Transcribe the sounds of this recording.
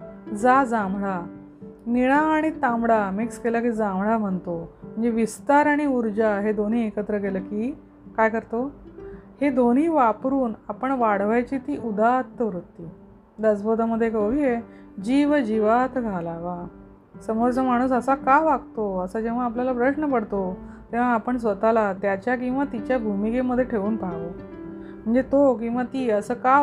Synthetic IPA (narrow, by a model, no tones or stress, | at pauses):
d͡zad͡zãmɭa | niɭaːɽ̃it̪ãmɽamikskelakiːd͡zãmɭam̤əɳt̪om̤əɳd͡zeʋist̪aɾaɽ̃iuɾd͡ʑaɦed̪on̤iːekət̪ɾəkeləkiː | kajkəɾt̪o | hed̪on̤iːʋapɾuːnapəɳʋaɽʋajt͡ɕiːt̪iːʔud̪at̪ːəʋɾut̪ːiː | d̪əsbʱod̪ʱaməd̪ʱːjekəʋiːje | d͡ʑiʋd͡ʑiʋat̪ɡʱalaʋa | səmoɾt͡səmaɽ̃uːsəsakaʋaɡ̚t̪oəsad͡ʑeʋ̤̃aːpljalapɾəɕɳəpəɽt̪ot̪eʋ̤aːpəɳs̬ʋət̪alat̪jat͡ɕjak̬ĩw̃ʋat̪it͡ɕjabʱumikeməd̪ʱːjeʈʰeʋuːnpaʋo | m̤əɳd͡zet̪ok̬ĩw̃ʋat̪iːəsəːka